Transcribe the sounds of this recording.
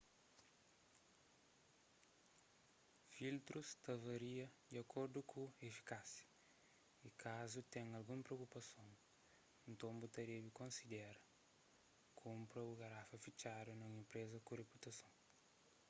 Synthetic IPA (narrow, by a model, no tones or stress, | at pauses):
filt̪ɾust̪ɐvɐɾiɐd̪iɐkoɾd̪ukʰuefi̥kasjɐ̥ | ikʰazut̪ɛ̃ŋɐlɡũmpɾeowkupɐsõw | ẽnt̪õmbut̪ɐɾiɐvikõnsid̪ɛɾɐ | kʰũmpɾɐuɡaɾafɐfit͡ʃaɾjunɐ̃ẽmpɾezɐkureput̪ɐsõw̃